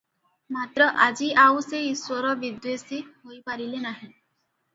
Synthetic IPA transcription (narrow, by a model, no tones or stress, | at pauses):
mat̪ɾɔʔad͡ʒiawseiswɔɾɔbid̪wesiɦojpaɾilenaɦẽ